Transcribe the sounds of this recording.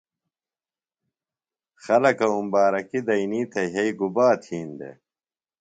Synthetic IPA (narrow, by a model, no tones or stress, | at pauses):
xɐlɐkɐumbaːɾɐkid̪ɐiniːt̪ʰeɦeiɡubaːt̪ʰiːnd̪ḛ